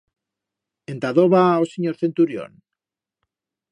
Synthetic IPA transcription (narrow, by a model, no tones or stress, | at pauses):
ent̪aðoβaoseɲoɾθe̞nt̪uɾjo̰n